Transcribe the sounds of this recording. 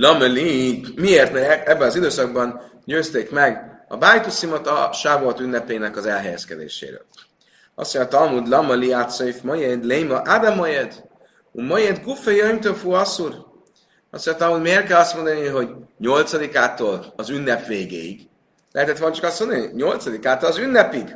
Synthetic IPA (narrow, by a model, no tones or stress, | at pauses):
lɒmɛlimieːrt̪mɛɛbːɛnɒzid̪øːsɒɡ̚bɒn | ɟøːst̪eːkmɛɡɒ̰baːjt̪usimot̪ɒ̰ʃabot̪ynːɛpeːnɛkɒzɛlɦɛjɛskɛd̪ḛːʃḛːɾø̰ːl | ɒ̰st̪ːoɲɑt̪ɒmud̪lɒmɔliat̪sojfmojed̪lejmɒʔad̪amojed̪ | umojed̪ɡufejøjmt̪ofuɒsur | ɒsːoɲɛt̪ɒlmuːd̪meːr̚kɛlɒst̪mo̞nd̪ɒniɦo̞ɟɲo̞lt̪sɒd̪ikaːt̪oːlɒzynːɛpveːɡḛːḭɡ̥ | lɛ̰ɦɛt̪ɛt̪vont͡ʃɒkɒstmo̞nd̪niɲo̞lt̪sɒd̪ikaːt̪olɒzynːɛpiɡ